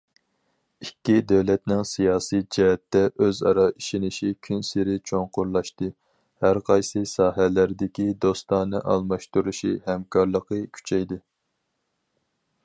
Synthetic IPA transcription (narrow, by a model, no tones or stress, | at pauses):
ikʲːid̪øwlɛt̪nɪŋsijɑːsijd͡ʒɛɦɛt̪ːɛʔøzɑ̰ɾɑiʃinɪʃikʲʰynsɪɾɪt͡ʃʰoŋqʊɾlˠɑʃt̪ɨ | hæɾqʰɑjsɨsɑːɦɛlæɾd̪ɪkʲid̪ost̪ɑnɨʔɑ̰lˠmɑʃt̪uɾuʃihɛmkʰɑɾlˠəqəkʲʰy̥t͡ʃʰɛjd̪ɨ